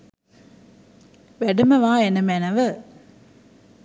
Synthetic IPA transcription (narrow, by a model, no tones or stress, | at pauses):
ʋɛɽɯmɐʋaːenɐmenɐʋɐ